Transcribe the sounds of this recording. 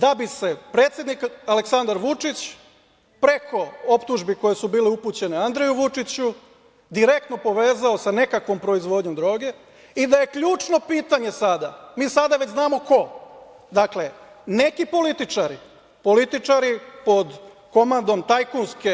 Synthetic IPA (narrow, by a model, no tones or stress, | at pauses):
d̪abise̞pɾe̞ːt̪sje̞d̪nikaleksand̪aɾʋut͡ʂit͡ɕ | pɾe̞kʰo̞opt̪uʒbiko̞je̞subiːleupuːt͡ɕe̞neand̪ɾe̞juʋut͡ʂit͡ɕu | d̪iɾe̞k̚t̪no̞po̞ʋe̞ːzaosane̞kakʋo̞mpɾo̞izʋo̞d̪ɲo̞md̪ɾo̞ːɡe̞ | id̪aje̞kʎuːt͡ʂno̞piːt̪aɲe̞sad̪amiːsad̪aʋe̞t͡ɕznaːmo̞ko̞ | d̪akle̞ne̞kipo̞lit̪it͡ʂaɾḭ | po̞lit̪it͡ʂaɾipo̞d̪ | ko̞mand̪o̞mt̪ajkunske̞